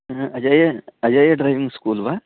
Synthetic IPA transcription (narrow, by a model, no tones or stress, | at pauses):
ɐd͡ʒajeɐd͡ʒajeɖɾajʋiŋɡskuːlba